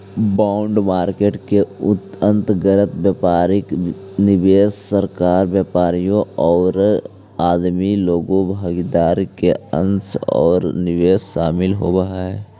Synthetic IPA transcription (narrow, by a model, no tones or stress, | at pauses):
baːʊɳɖmaːɾkeːʈkeʊt̪ə̃nt̪ɡəɾət̪bjaːpaːɾɪk | nɪʋeːssəɾkaːɾʋjaːpaːɾijõɔːɾ | aːd̪miloːɡõbʱaːɡid̪aːɾkeə̰̃nsɔ̰ːɾnɪʋeːsʃaːmɪlɦobɐɦaɛː